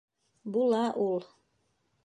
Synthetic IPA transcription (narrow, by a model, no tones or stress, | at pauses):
bulˠɑʔulˠ